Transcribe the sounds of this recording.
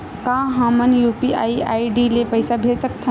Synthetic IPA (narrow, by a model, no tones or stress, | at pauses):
kãɦãmənjupiʔa̰ːiaːiɖilepəjsabʱesəkt̪ʰ